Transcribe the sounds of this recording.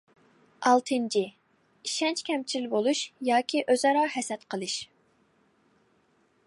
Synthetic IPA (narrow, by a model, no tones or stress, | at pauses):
ɑlˠt̪ʰɨnt͡ʃʰi | iʃɛnt͡ʃkʲʰɛmt͡ʃʰiɪlbolˠuʃjɑːkʲʰiʔøzɑɾɑhɛsɛt̪qʰəlˠɨʃ